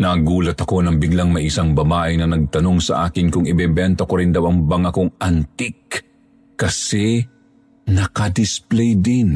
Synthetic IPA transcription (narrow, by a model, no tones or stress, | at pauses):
nɐɡuːlɐt̪ɐko̞nɐŋbɪɡlɐŋmɐjɪsaŋbɐbaːʔɪnɐnɐɡ̚t̪ɐno̞ŋsɐ̰ʔaːkɪnkʊŋɪbɛːbɛnt̪ɐkoɾɪnd̪ɐwɐŋbɐŋɐkoŋʔɐnt̪ɪkː | ɐsɛ | nɐkɐd̪ɪsplɛjd̪ɪn